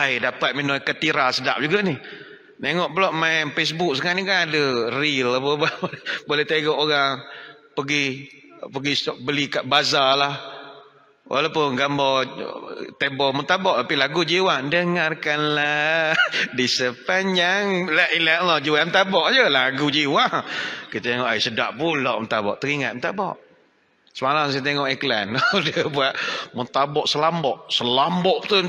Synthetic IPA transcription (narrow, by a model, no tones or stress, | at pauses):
ajdapat̪̚minɔjkət̪iɾasəda̰p̚d͡ʒuɡaʔnih | naŋɔʔpəlɔʔmaɛnfes̬buk̚səŋaʔnikanadərilapəbalbolɛht̪eɡɔʔoɣaŋ | pəɡi | pəɡisbəlikaʔbazalah | wʔa̰lawpʊnɡambɔ | t̪ebɔmut̪abɔʔt̪apilaɡud͡ʒiwaŋdəŋarkanla | disəpanaŋlaʔilaʔlɔd͡ʒiwamət̪abɔʔd͡ʒəlaɡud͡ʒiwaŋkət̪eŋɔʔajsəda̰ʔpulɔʔmənt̪abɔʔt̪əɾiŋat̪̚mənt̪abɔ̰ʔ | səmalaŋsajat̪eŋɔʔɛklandəbuaʔmət̪abɔʔsəlambɔʔsəlambɔʔt̪u